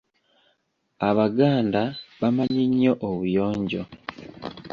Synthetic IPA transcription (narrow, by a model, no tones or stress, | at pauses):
aβaɡaːndaβamaɲiɲːo̞ʔoβujo̞ːɲɟo̞̰